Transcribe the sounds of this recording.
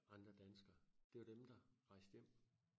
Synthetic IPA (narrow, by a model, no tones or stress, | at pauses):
ɑ̈nd̥ʁɐd̥ænsɡ̥ɐːd̥e̝ʋɑd̥emd̥ɑ̈ʁɑ̈ɪ̰sd̥jem̰